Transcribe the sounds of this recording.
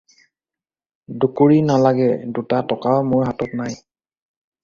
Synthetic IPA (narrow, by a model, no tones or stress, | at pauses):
dukoɹinalaɡɛdutatɔkawmʊɹɦatɔtnaj